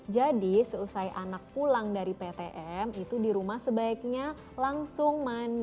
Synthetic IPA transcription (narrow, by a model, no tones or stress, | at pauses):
d͡ʒadisəusajʔanak̚pulaŋdaɾipet̪eʔɛmit̪udiɾumahsəbaɪk̚ɲa | laŋsʊŋman